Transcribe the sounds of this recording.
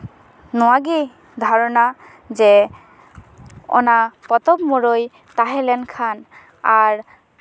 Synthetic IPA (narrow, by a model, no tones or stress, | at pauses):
nɔaɡi | d̪ʱɔɾɔna | d͡ʒe | ɔ̰napɔt̪ɔbmoɾoj | t̪aɦɛlɛnkʰan | aɾ